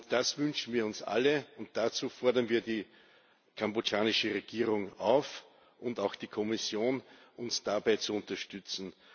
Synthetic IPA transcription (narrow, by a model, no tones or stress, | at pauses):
ʊd̥asvʏnʃn̩viːɐʊnsʔa̰ləʊnt̚d̥at͡suːfɔɐdɐnviːɐdiː | kʰambot͡ʃaːnɪʃəʁeɡ̥iːʁʊŋaʊf | ʔʊ̃ndaʊxd̥iːkʰɔmɪsjoːnʔʊnsd̥abæɪt͡suʊntɐʃtʏt͡sn̩